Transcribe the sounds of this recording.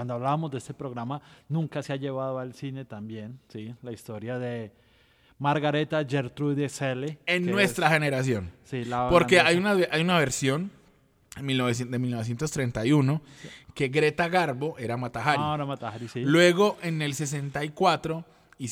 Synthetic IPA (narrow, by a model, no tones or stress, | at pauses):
wand̪oaβlaβamozd̪eest̪epɾoɣɾamanũŋkaseaʝe̞βaðoalsine̞t̪ambje̞nsilaist̪oɾjaðe | maɾɣaɾet̪ad͡ʒeɾt̪ɾuðeseleenːwe̞st̪ɾaxe̞ne̞ɾas̬jo̞nsilapoɾkeajunaeʔajunaβe̞ɾsjo̞n | milnoβesed̪emilnoe̞s̬je̞nt̪ost̪ɾe̞nt̪ajuno̞ke̞ɡɾe̞t̪aɣaɾβo̞ʔe̞ɾamat̪axaɾieɾamat̪ahaɾisilwe̞ɣo̞ʔe̞ne̞lse̞s̬e̞nt̪aikwat̪ɾo̞ | i